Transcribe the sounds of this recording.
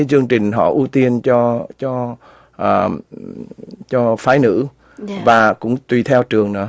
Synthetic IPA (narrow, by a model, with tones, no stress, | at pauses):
t͡ɕɨ˧əŋt͡ɕï˨˩ŋ̟ɦɔ̰˧˨ʔu˧t̪i˧ənt͡ɕɔ˧t͡ɕɔ˧ | ʔəː˨˩ | t͡ɕɔ˧faː˧˩jnɨ̰˧˥ | vaː˨˩kʊ̰˧˥ŋ͡mt̪wi˧˩t̪ʰɛ˧wt͡ɕɨ˨˩əŋnɨ̰˧˩